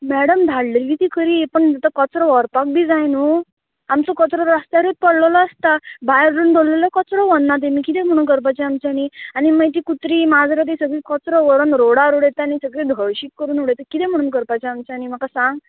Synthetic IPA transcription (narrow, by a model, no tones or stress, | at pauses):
mæɽəmd̪ʱaɽləɾʋit̪iːkəɾiːpəɳd͡zat̪əkət͡sɾɔʋɔɾpak̚bʱiːd͡zajnu | amt͡sɔkɔt͡sɾɔɾast̪jaɾet̪̚pəɽlɔlɔːst̪abajɾɾund̪ʱollelɔkɔt͡sɾɔʋɔnːat̪̬ẽmiːkit̪ɛm̤əɽ̃uːnkəɾp̬ajt͡ɕɛamt͡ɕaanianimajt̪iːkut̪ɾiːmad͡zɾat̪̬esəɡɭikɔt͡sɾɔʋəɾənɾoɽaɾuɽɛt̪anisəɡɭid̪ʱɔɭɕiːkkəɾuːnuɽɛt̪əkit̪ɛm̤əɽ̃uːnkəɾpajt͡ɕɛamt͡ɕaanim̤akasãŋɡ